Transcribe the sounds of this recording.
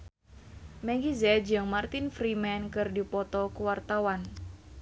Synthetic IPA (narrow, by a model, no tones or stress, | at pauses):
mɛɡizɛd͡ʒɨŋmart̪ɪnfɾimɛnkɨrdipɔt̪ɔkuwart̪awan